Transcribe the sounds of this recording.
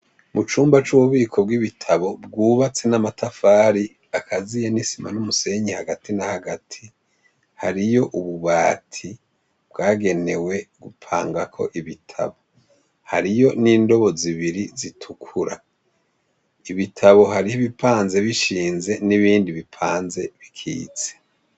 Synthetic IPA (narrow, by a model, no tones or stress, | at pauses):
mut͡ʃuːmbat͡ʃuβuβiːkʰo̞bɡiβitʰaβo̞b̚ɡuːβat͡se̞namatafaːɾi | akʰazijanisima̰numuse̞ɲihaɡatinahaɡatʰi | haɾijo̞ʔuβuβaːtʰi | b̥̚ɡaːɡe̞ne̞we̞ɡupʰa̰ːŋɡakʰo̞̰ʔiβitʰa̰βo̞ | haɾijo̞niːndo̞βo̞ziβiɾizitʰukʰuɾa | iβitʰaβo̞ɦaɾihiβipʰaːnze̞βiʃiːnze̞niβiːndiβipʰaːnze̞βikʰḭːt͡se̥